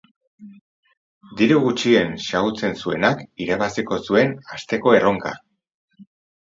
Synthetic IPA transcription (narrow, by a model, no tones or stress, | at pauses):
d̪iɾuɣut͡ʃie̞nsaɣut͡se̞nsue̞̰nakiɾaβasiko̞sue̞nast̪e̞ko̞e̞ro̞ŋka̰